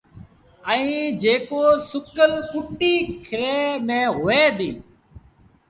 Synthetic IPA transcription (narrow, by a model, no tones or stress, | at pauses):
əĩːd͡ʒeːkoːsʊkəlkʊʈːiːkʰɪɾeːmẽːɦoːeːd̪ĩː